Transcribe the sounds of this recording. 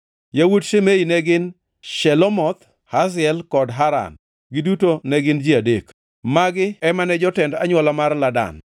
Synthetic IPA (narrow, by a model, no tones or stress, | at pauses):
jawudʃemeinɛɡɪn | ʃɛlɔmɔt̪ | hazɪɛlkɔdɦaɾa̰n | ɡɪdutonɛɡɪnd͡ʒiadek | maɡɪɛmanɛd͡ʒɔtɛnda̰ɲwɔlamarlada̰n